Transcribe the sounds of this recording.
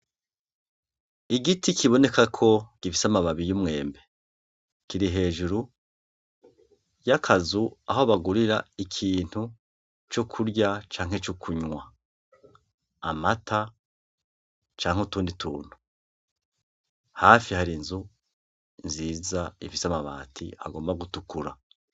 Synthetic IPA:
iɡitʰikʰiβo̞ne̞kakʰo̞ɡ̥ifisamaβaβijumŋe̞ːmbe̞ | kiɾiɦe̞ːʒuɾu | jakʰazuaɦo̞βaɡuɾiɾaikʰiːn̥hu | t͡ʃokʰuɾɟat͡ʃaːŋ̥e̞t͡ʃokʰuɲwa | matʰa | t͡ʃaːŋ̥eutuːnditʰuːn̥u̥ | haːfihaɾinzu | nziːzaifisamaβa̰ːtʰḭa̰ɡo̞ːmbaɡutukuɾa

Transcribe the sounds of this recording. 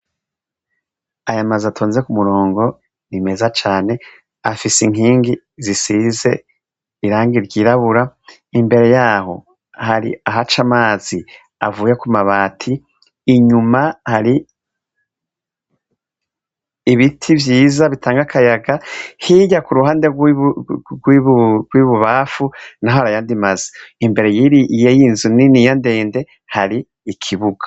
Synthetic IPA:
ajamazatʰoːnziekumuɾo̞ːŋɡo̞ | nime̞zat͡ʃaːne̞ | afisiŋ̥iːŋɡi | zisize̞̰ | iɾaːŋɡiɾɟiɾaβuɾa | imbe̞ɾe̞jaːɦo̞̰ | haɾḭaɦat͡ʃamaːzi | a̰vuːjekumaβaːtʰiː | ɲumahaɾi | βitʰivjiːzaβitʰaːŋɡakʰajaɡahiɟakuɾuɦaːndeɡ | ɡwiβɡwiβuβafunaɦohaɾajaːndimazi̥imbe̞ɾe̞jiɾijejinzuninijande̞ːnde̞ | haɾiː | kʰiβuɡ̥ḁ

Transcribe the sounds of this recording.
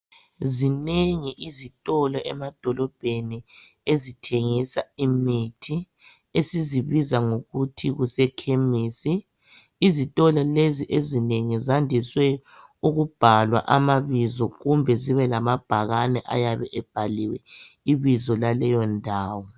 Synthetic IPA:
zineŋiʔizitʼɔlɔʔɛmad̥ʱɔlɔb̥ʱeni | ezitʰeŋisaimitʰi | esiziβizaŋoɣutʰiɣusɛkʰemiːsiː | zitʼɔlɔleziʔezineŋizandʱiswɛ | uɣub̥ʱalwa̰ʔamaβizɔɣumbʱɛziβɛlamab̥ʱaɣanɛʔa̰jaβɛʔɛb̥ʱaliwɛ | iβizɔlalɛjɔndʱaːwɔ

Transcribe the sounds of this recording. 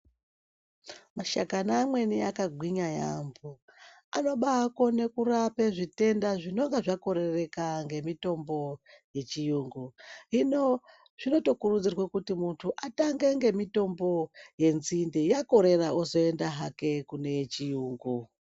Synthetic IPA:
maʃakanaːmwe̞niakaɡʱwiɲajambo | ano̞ɓako̞ne̞kurapeʐite̞ndaʐino̞ŋɡaʐako̞ɾe̞re̞kaŋɡe̞mito̞mbo̞je̞t͡ʃijuːŋɡuɦino | ʐ̥ino̞to̞kurud͡zirwekutimuntʰuʔataŋɡeŋɡe̞mito̞mbo̞je̞nzindijako̞ɾe̞raozo̞e̞ndaɦake̞kune̞t͡ʃijuːŋɡu

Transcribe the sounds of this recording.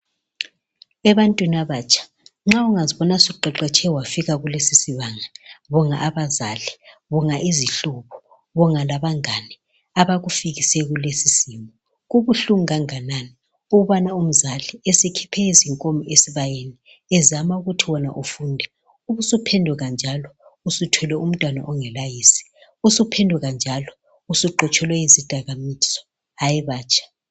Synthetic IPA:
ɛβantʼwinaβaːt͡ʃʼʰḁ | ŋ͡ǁauŋaziβɔnasuǃɛǃɛt͡ʃʼʰɛwafiɣaɣulesisiβaŋaβɔŋa̰ʔːβazaliβɔŋaʔiziɬuβɔ̥ | βɔŋalaβaŋanɛ | aβaɣufiɣisɛɣulesisimɔ | ɣuβuɬuŋɣaŋanani | uɣuβanaum̩zaliɛsɛkʰi̥pʰɛiziŋkʼomiesiβajeni | ɛzamauɣutʰiwɔna̰ʔufuːndʱɛ | uβusupʰɛndʱuɣand͡ʒʱalɔ | usutʰɔlɛum̩tʼwana̰ʔɔŋɛlajiːsi̥ | usupʰɛndʱuɣand͡ʒʱalɔ | usuǃɔt͡ʃʰʼɔlwɛizid̥ʱaɣamisɔ̥ | ajɛβaːt͡ʃʰʼḁ

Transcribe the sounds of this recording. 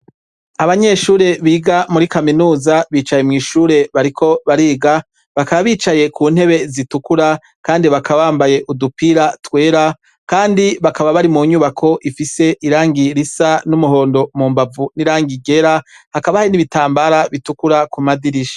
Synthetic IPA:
aβaɲe̞ʃuːɾe̞βiːɡamuɾikaminuːzaβiːt͡ʃaje̞mŋiːʃuːɾe̞βaɾikʰo̞βaɾiːɡa | βakaβaβiːt͡ʃaje̞kʰuːn̥he̞βe̞zitukuɾa | kaːndiβakʰaβaβaːmbaje̞ʔudupiɾatwe̞ːɾa | kaːndiβakaβaβaɾimuɲuːβakʰo̞ʔifise̞ʔiɾaːŋɡiɾisanumuɦo̞ːndo̞muːmbavuniɾaːŋɡiɡe̞ɾahakaβahainiβitaːmbaɾaβitukuɾakumadiɾiʃḁ

